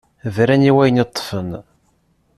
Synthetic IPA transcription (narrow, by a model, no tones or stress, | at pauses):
vɾæniwæjnit̪ˤːfən